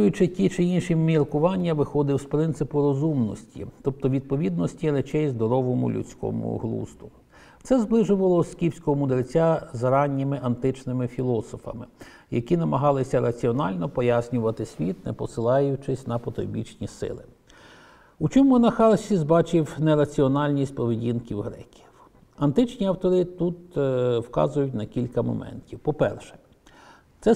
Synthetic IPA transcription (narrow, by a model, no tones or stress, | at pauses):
ujʊt͡ʃɪtʲit͡ʃɪinʃimʲirkʊʋɑnʲːɐʋɪxɔd̪ɪwspɾɪnt̪sɪpʊɾɔzumnɔ̰sʲtʲḭt̪ɔp̚t̪ɔʋʲid̪̚pɔʋʲid̪nɔsʲtʲiɾɛt͡ʃɛjzd̪ɔɾɔʋɔmʊ̰lʲṵt͡sʲkɔ̰mʊ̰ɦlˠṵst̪ʊ | t̪sɛzblˠɪʒʊʋɐlˠɔskʲiwsʲkɔɦɔmʊd̪ɾɪt͡sʲazɐɾɑnʲːimɪʔɐnt̪ɪt͡ʃnɪmɪfʲilˠɔsɔfɐ̰mɪ | jɐ̰kʲinɐmɐɦɑlˠɪsʲɐɾɐt͡sʲiɔnɑlʲnɔpɔjasʲnʲʊʋɐt̪ɪsʲʋʲit̪nɛpɔsɪlˠɑjʊt͡ʃɪsʲnɐpɔt̪ɾɔ̰bʲḭt͡ʃnʲisɪ̰lˠɪ | ut͡ʃɔmʊnɐxɑlsʲizbɑt͡ʃɪwneɾɐt͡sʲiɔnɑlʲnʲisʲt̚ʲpɔʋedʲinkʲiwɦɾɛ̰kʲi̥w | ɐnt̪ɪt͡ʃnʲiɐwt̪ɔɾɪt̪ut̪wkɑ̰zʊjʊtʲnɐkʲilʲkɐmɔ̰mɛ̰ntʲiwpɔpɛ̰rʃɛ̥ | t̪sɛ